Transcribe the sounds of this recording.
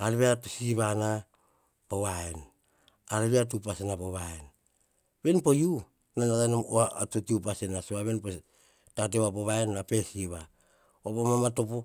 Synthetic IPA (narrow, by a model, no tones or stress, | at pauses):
aɾβeatusiβana | poβaen | aɾeβeatupasenapoβaen | be̞npo̞ju | nanakanomoatotiupasenasoaβe̞npo | tat̬eβapoβaenːape̞siβa | opomamato̞po